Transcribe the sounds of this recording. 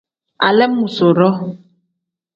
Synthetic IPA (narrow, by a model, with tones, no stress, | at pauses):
a̰˨lɛ˦mũ˨so˨ɾɔ˦